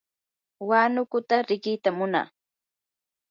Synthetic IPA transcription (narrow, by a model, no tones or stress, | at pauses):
wanʊkʊt̪aɾɪkɪt̪amʊna̰ː